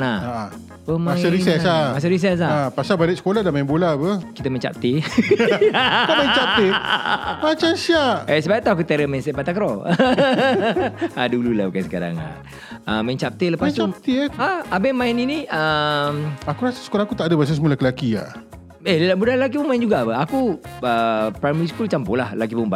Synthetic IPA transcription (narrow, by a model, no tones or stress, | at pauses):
naaʔ | pəmaãsaɾisɛsamas̬aɾis̬ɛs̬aapasabaleʔ̚sə̥koladamaĩmbolapəkit̪əmə̃ɲt͡ʃa̰p̚t̪e | amaint͡ʃap̚t̪e | mat͡ʃaʃiaʔes̬əbajt̪awakut̪eɾəmansɛʔpat̪akɾɔ | adulula̰bukansəka̰ɾa̰ŋa̰ | əmajnt͡ʃap̚t̪eləpast̪ap̚t̪eaabemãɪniniəmakuɾasasə̥kolaakut̪aʔdəbas̬asəmulakilakia̰ | ellbudalak̬ipuŋmãind͡ʒuɡapəakuəpɾajməɾiskult͡ʃampolahlak̬ibuŋba